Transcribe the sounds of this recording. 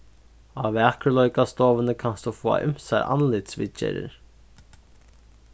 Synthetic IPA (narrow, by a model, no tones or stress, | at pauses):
ɑʋɑkəlɔʏkast̪oːʋənəkʰanst̪ufoːa̰ʔʏmsæ̰ʔɑ̰nlɪt̪sʋɪt͡ʃḛɾə̰ɾ